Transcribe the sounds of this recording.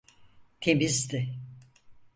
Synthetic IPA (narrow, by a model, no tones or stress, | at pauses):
t̪ʰemizd̪ɪ